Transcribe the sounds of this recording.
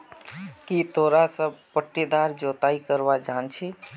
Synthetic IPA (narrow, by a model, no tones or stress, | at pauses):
kit̪ʰoɾasəbpəʈːid̪aɾd͡ʒot̪aikəɾbad͡ʒaːnt͡ʃʰi